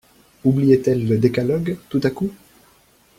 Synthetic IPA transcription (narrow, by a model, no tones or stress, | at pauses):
ublijɛt̪ɛlːəd̪ekalɔɡt̪ut̪aku